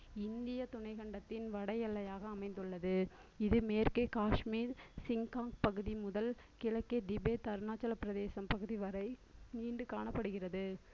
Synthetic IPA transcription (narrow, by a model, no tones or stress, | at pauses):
ɪnd̪ɪjɐt̪ʊɳɐɪɣɐɳɖɐt̪ːɪnʋɐɽɐjɐɭːɐjaːɣɐːmɐɪnd̪ɯɭːɐðɯ | ɪðɯmeːɾkeːkaːʂmiːɾsɪŋkaːŋɡpɐɣɯðimʊðɐl | kɪɭɐkːeːd̪ɪbeːt̪ɐɾnaːt͡ʃːɐlɐpːɪɾɐðeːsɐmpɐɣɯðiʋɐɾɐɪniːɳɖɯkaːɳɐpːɐɽɯɣɪrɐðɯ